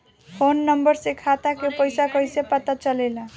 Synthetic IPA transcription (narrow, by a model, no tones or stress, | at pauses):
pʰonːʌmbʌɾsekʰat̪akepəjsakʌjsepət̪at͡ʃʌlela